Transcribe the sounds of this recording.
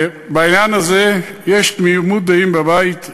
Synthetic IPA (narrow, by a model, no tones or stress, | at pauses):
bainjanhazejeʃt̪miumut̪d̪aimbabait̪